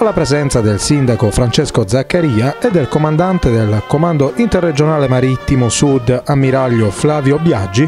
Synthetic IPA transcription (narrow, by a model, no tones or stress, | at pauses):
alːapɾɛzɛnt̪sad̪ɛlsind̪akofɾant͡ʃɛskod̪zakːaɾiːaɛd̪ːɛlkɔmand̪ant̪ed̪ɛlkɔmand̪oʔint̪ɛrːɛd͡ʒɔnaːlɛmaɾit̪ːimosud̪amːiɾaʎːoflaːvjobjad͡ʒːi